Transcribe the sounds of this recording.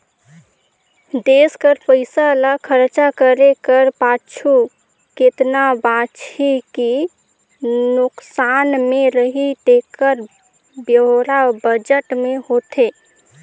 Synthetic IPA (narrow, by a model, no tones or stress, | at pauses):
d̪eskəɾpəɪsaləkʰəɾt͡ʃakəɾekəɾpat͡ʃʰu | ket̪nabãt͡ʃʰiki | nʊksanmeɾəɦit̪ekəɾ | bjəɦɾabəd͡ʒəʈmehot̪e